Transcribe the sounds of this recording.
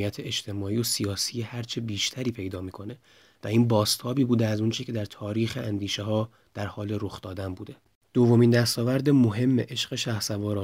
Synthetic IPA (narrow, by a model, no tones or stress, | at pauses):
ijæt̪ʰeet͡ʃt̪ʰe̞mɒːiːjosijɒːsiːjehæɾt͡ʃʰebiːʃt̪ʰæɾiːpʰe̞jd̪ɒːmiːkʰo̞ne̞ | væiːnbɒːst̪ʰɒːbiːbuːd̪eæzunt͡ʃʰecʰe̞d̪æɾt̪ʰɒːɾiːxeʔænd̪iːʃeɦɒː | d̪̥æɾhɒːleɾo̞xd̪ɒːd̪ænbuːd̪e̞ | d̪̥o̞vːo̞miːnd̪æst̪ɒːvæɾd̪emo̞ɦe̞mːe̞̰ʔe̞ʃɢe̞ʃæhsævɒːɾɒː